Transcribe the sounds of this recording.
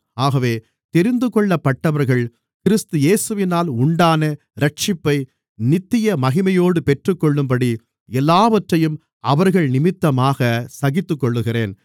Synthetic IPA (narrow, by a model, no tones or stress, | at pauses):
aːɣɐʋeː | t̪ɛɾɪnd̪ɯkɔɭːɐpːɐʈːɐʋɐɾɣɐɭ | kɪɾɪst̪ɯjeːsɯʋɪnaːlʊɳɖaːnɐ | ɾɐʈ̚t͡ʃɪpːɐɪ | nɪt̪ːɪjɐmɐɣɪmɐjoːɽɯpɛʈrɯkːɔɭːɯmpɐɽi | ɛlːaːʋɐʈrɐjɯm | ɐʋɐɾɣɐɭnɪmɪt̪ːɐmaːɣɐsɐɣɪt̪ːɯkːɔɭːɯɣɪreːn